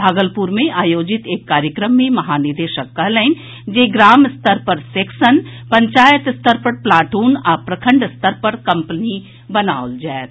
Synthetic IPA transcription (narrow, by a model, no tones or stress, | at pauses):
bʱaːɡəlpuɾmẽʔaːjoːd͡ʒɪt̪eːkːaːɾjəkɾəmːẽmɐɦaːnɪɾd̪eːʃəkːɐɦlɛːn | d͡ʒeːɡɾaːmɪst̪əɾpɐɾseːksənpɐ̃ɲt͡ʃaːjət̪ɪst̪əɾpɐɾplaːʈuːnaːpɾɐkʰə̃ɳɖɪst̪əɾpɐɾkɐ̃mpəni | bɐnaːold͡ʒɛːt̪